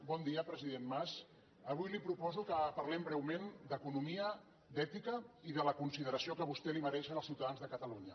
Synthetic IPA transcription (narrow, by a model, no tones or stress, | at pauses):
bɔnd̪iəpɾəziðenmas | əβ̞ujlipɾupɔzukəpɐɾlɛmbɾɛwmend̪əkunumiə | d̪ɛt̪ikəiðələkunsiðəɾəsiokəβ̞ust̪ɛliməɾɛʃənəlˠsiwt̪aðanzðəkət̪əluɲə